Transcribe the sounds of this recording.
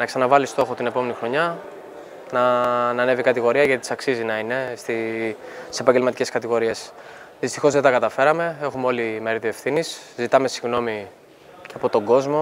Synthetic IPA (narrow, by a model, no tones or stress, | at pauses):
nɐksɐnɐvɐlist̪o̞xot̪ine̞po̞me̞nixɾo̞ɲɐ | nɐnɐne̞vikɐt̪iɣo̞ɾiɐʝɐt̪it̪isɐksizinɐine̞st̪i | i̥se̞pɐɲɟelmɐt̪iceskɐt̪iɣo̞ɾie̞s | ðist̪ixo̞zðe̞t̪ɐkɐt̪ɐfe̞ɾɐme̞e̞xumeo̞limeɾiðie̞fθiniszit̪ɐme̞siɣno̞mi | ceɐpo̞t̪o̞ŋɡo̞zmo̞